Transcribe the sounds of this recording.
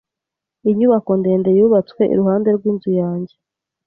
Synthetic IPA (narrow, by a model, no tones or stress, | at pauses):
iɲuβako̞nde̞ːnde̞juːβat͡swe̞ʔḭɾuɦaːnde̞ɾɡwiːnzujaːɲɟe̞